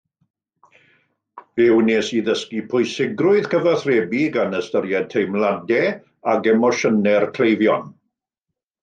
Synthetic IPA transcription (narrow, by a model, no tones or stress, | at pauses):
v̥ɛwneːsiðəskipʰʊɨsɪɡrʊɨð̥kʰəvaθreːbiɡanəstəɾjɛd̚tʰejmlˠadɛ | aɡɛmɔʃənɛrkʰl̥ejvjɔn